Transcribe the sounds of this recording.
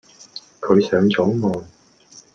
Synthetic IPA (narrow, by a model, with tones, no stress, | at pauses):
kʰɵ˨˧ɥsœː˨˧ŋt͡sɔː˨˥ŋmɔː˨n